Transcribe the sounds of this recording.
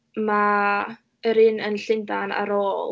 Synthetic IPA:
ma | əɾɪnənɬɪndana̰ɾoːl

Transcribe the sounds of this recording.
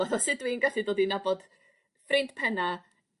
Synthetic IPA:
ɔθɔsɨdwinɡɛɬidoːdinabɔd̥ | frɪntpʰɛna

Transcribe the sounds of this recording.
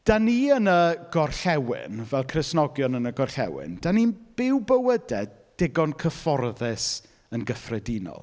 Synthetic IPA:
d̥aniənəɡ̥ɔrɬɛwɪ̰nvɛlˠkʰrɪsnɔɡjɔnənəɡɔrɬɛ̰wɪ̰nd̥aninb̥ɪwbəwədɛd | d̥ɪɡɔnkʰəfɔrðɛs | ənɡəfrɛdinɔ̰lˠ

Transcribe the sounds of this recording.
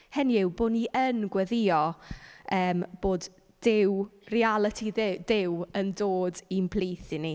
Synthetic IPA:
hɛniɪwboːniʔənɡwɛðɪɔ | əːmb̥oːd | d̥ɪwrialˠətʰidɪwəndoːdinpʰlˠiːθɪni

